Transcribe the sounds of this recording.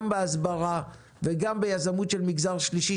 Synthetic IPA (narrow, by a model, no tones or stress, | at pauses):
mbeazbaʁa | veɡambejazamutʃelmiɡzaʁʃliʃi